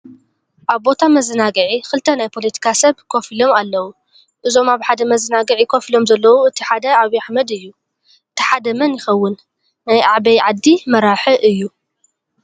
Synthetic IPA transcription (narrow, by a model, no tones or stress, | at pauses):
ʔaβbo̞t̪ʰamɐzɨnaɡɐʕixɨlt̪ʰɐnajpʰo̞lɐt̪ʰi̥kʰasɐβkʰo̞filo̞malːɐwu | ʔɨzo̞maβħad̪ɐmɐzɨnaɡɐʕikʰofilo̞mzɐlːɐwuɨt̪ʰiħad̪ɐaβiaħmɐd̪ɨjːu | ʔɨt̪ʰi̥ħad̪ɐmɐnjɪxɐwːʊnː | ajʔa̰ʕβɐjʕad̪ːimɐɾaħɨʔɨjːu